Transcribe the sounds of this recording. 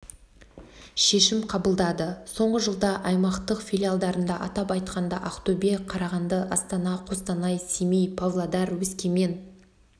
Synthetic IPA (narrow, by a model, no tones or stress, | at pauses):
ʃe̞ʃɪmqʰɑbəlˠd̪ɑd̪əso̞ɴʁəʒəlˠd̪ɑʔɑjmɑqt̪əqfʲilʲialˠd̪ɑɾənd̪ɑʔɑt̪ɑpɑjt̪qʰɑnd̪ɑʔaqt̪obeqʰɑɾɑʁɑnd̪əʔɑst̪ɑnɑqʰo̞st̪ɑnɑjsimijpʰavlˠad̪ɑɾwɵskʲeme̞n